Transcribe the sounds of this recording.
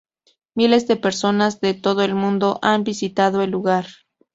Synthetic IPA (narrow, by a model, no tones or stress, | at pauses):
mile̞zðe̞pe̞ɾso̞nazðe̞t̪o̞ð̞oelmũnd̪o̞ʔanbisit̪að̞o̞elːuɣaɾ